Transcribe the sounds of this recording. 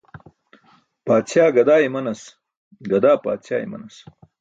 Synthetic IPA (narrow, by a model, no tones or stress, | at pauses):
paːt͡sʰjaːɡɐd̪aːemɐnɐs | ɡɐd̪aːpa̰ːt͡ɕja̰ːjḛmɐ̰nɐs